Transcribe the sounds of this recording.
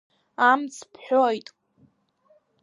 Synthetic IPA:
amt͡sʰpʰħᶣojtʼ

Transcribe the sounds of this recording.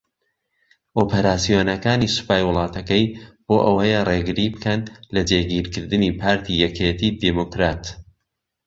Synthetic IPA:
ʔoːpʰɐɾaːsijoːnɐkaːnisɨ̥paːjwʊlˠɑːt̪ʰɐkɐjb̥oːʔɐwɐjəreːɡɨɾibɨkɐnlɐd͡ʒeːɡiːɾkɨɾd̪ɨniːpʰaːɾt̪ʰijɛkʰet̪iːd̪emokɾaːt̪

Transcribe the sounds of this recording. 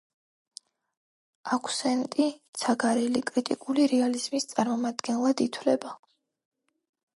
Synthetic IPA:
akʰu̥sɛnt̪ʼit̪sʰaɡaɾɛlikʼɾit̪ʼikʼuliɾɛaliz̥mist̪sʼaɾmɔmad̪ɡɛnlˠad̪it̪ʰwlɛba

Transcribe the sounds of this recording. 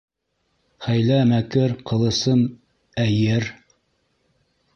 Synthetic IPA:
χæjlæmækɘɾqɤ̆lˠɤ̆sɤm | æjɘɾ

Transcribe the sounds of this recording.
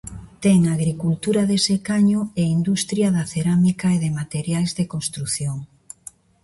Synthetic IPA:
t̪eŋaɣɾikult̪uɾaðesekaɲʊeind̪ust̪ɾjaðaθeɾamikaeðemat̪eɾjajzðekõnst̪ɾuθjoŋ

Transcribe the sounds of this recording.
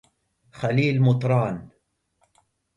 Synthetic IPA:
xaliːlmʊt̪ˤɾˤɑːn

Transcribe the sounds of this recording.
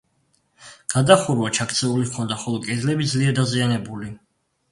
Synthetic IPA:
ɡ̥ad̪aχuɾwat͡ʃʰakʰt̪sʰɛulikʰɔnd̪aχɔlˠɔkʼɛd̪lɛbid̪zliɛɾd̪azianɛbuli

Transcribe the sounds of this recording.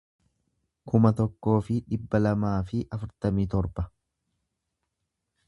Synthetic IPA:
kʊmɐt̪ɔkːo̞ːfɪᶑɪbːɐlɐmaːfɪʔɐfʊɾt̪ɐmiːt̪ɔɾbɐ

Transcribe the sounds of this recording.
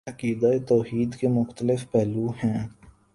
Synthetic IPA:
ɐkiːd̪aet̪ɔːhiːd̪kemʊxt̪əlɪfpɛːluɦɛ̃ː

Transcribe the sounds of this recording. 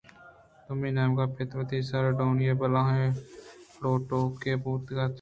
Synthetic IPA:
t̪ʊmĩːnɛːmɡaːpʰɪt̪ʋət̪ʰiːsəɾɖoːnjeːbəlãːɦẽpɽoːʈoːkeːbuːt̪ɡaː

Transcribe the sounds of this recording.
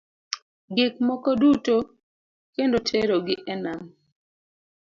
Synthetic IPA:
ɡɪk̚mɔkɔduto | kendotʰeɾoɡɪʔɛnam

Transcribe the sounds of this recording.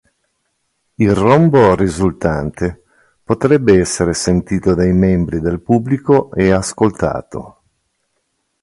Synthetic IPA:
ilromborizult̪ant̪e | pot̪ɾɛbːeɛsːeɾesent̪iːt̪od̪ajmɛmbɾid̪elpubːlikoeaskolt̪a̰ːt̪o̰

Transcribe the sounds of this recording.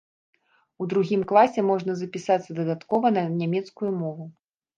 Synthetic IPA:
ud̪ɾuɣʲimklˠasʲɛmɔʐnɐzɐpʲisat̪sːɐd̪ɐd̪at̪kɔvɐnɐnʲamʲɛt̪skujumɔvu

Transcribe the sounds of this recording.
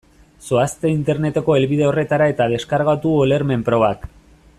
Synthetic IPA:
soast̪e̞int̪e̞ɾne̞t̪e̞ko̞e̞lβið̞e̞o̞re̞t̪aɾae̞t̪að̞e̞skaɾɣat̪uole̞ɾme̞mpɾo̞βak

